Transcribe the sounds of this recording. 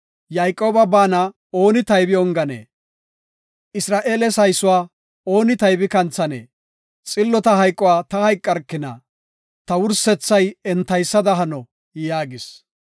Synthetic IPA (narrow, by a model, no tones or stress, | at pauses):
jaːjkʼːo̞ːbɐbaːnɐ | o̞ːnɪt̪ɐjbɪɔŋɡɐnḛː | ɪsɾaːʔeːlɛsɐjsʊwaː | o̞ːnɪt̪ɐjbɪkɐnt͡sːɐnḛː | t͡sʼɪlːɔt̪ɐɦɐjkʼːɔwaːt̪ɐhɐjkʼːɐɾkːɪnɐ̰ | t̪ɐwʊɾsɛt͡sːɐjɛnt̪ːɐjsːɐd̪ɐɦɐnɔ | jaːɡɪs